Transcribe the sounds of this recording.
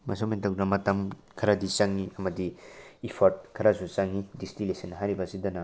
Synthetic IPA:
mɐ̰somintɐknɐmɐtɐmkʰɐɾɐdit͡ʃɐŋiɐmɐdiipʰoɾt̚kʰɐɾɐsut͡ʃɐŋːidistilesɐnːɦajɾibɐːsidɐnɐ

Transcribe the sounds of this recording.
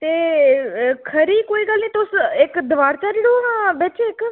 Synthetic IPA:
t̪e | kʰəɾiːkoːiːɡaːlnĩːt̪osekd̪ʋaːɾt͡ʃaɾiɽoɦãbet͡ʃeːk

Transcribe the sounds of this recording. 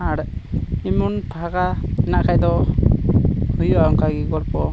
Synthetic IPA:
aɽimunpʰaɡaɛnaʔkʰajd̪ɔ | hujuaɔŋkaɡiɡɔɽpɔ

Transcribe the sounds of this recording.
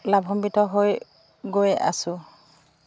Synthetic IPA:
labʱɦɔmbitʰɔɦoj | ɡoja̰sʊ

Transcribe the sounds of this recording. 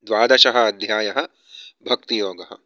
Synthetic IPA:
d̪ʋaːd̪ɐʃɐɦɐ̆ːd̪ʱjaːjɐɦɐ̆ | bʱɐk̚t̪ijoːɡɐɦɐ̰̆

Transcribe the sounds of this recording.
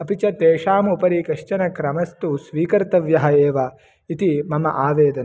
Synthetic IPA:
ɐpit͡ʃɐt̪eːʃaːmupɐɾikɐʂt͡ʃɐnɐkɾɐmɐst̪usʋiːkɐɾt̪ɐʋjɐɦɐeːʋɐ | it̪imɐmɐ̰ʔaːʋeːd̪ɐn

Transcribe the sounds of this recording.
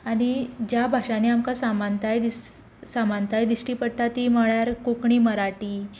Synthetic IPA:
aɽ̃id͡ʑjabʱaʂaneamkasamant̪ajd̪is | samant̪ajd̪iɕʈiːpəɽʈat̪iːməɭjaɾkukɳiːməɾaʈiː

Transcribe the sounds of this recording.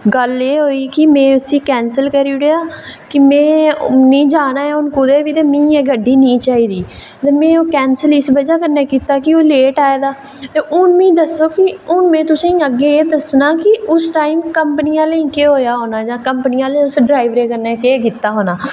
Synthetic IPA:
ɡəleːɦoːiːkɪmɛ̃ːʊsiːkɛːnsəlkəɾiːɽeːaːkɪmɛ̃ːnĩːd͡ʒaːnaːɛʊnkʊd̪eːʋiːt̪eːmĩːeːɡəɖːiːnĩːt͡ʃaːiːd̪iː | t̪eːmɛ̃ːoːkɛːnsəlɪsbəd͡ʒaːkəɾneːkiːt̪aːkɪoːleːʈaːeːd̪aː | t̪eːʔʊnmĩːd̪əsːoːkɪʊnmɛ̃ːt̪ʊsĩːəɡːeːeːd̪əsnaːkɪʔʊsʈaːiːmkəmpəniːãːləĩːkeːɦoːjaːɦoːnaːd͡ʒãːkəmpnɪːãːləiʊsɖɾaːiʋɾeːkəɾneːkeːkiːt̪ːaːɦoːnaː

